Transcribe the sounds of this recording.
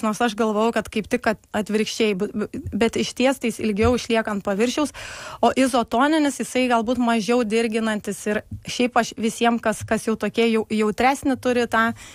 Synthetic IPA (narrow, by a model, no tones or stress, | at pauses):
noːrsɐʃɡɐlˠʋoːjɛʊkɐt̪kɐɪpt̪ʲɪkɐt̪ɐt̪ʲʋʲɪɾʲkʃʲt͡ʃʲɛɪbʊbʲɛt̪ɪʃt̪ʲiɛst̪ɐɪsɪlʲɡʲɛʊɪʃʲlʲiɛkɐnt̪̚pɐʋʲɪɾʲʃʲɛʊsoːʔɪzoːt̪oːnʲɪnʲɪsjɪsɐɪɡɐlˠbuːt̪mɐʒʲɛʊd̪ʲɪɾʲɡʲɪnɐnʲt̪ʲɪsɪɾʃʲɛɪpɐʃʋʲɪsʲiɛmkɐskɐsjɛʊt̪oːkʲiɛjɛʊjɛʊt̪ʲɾʲæːsʲnʲɪt̪ʊɾʲɪt̪ɑː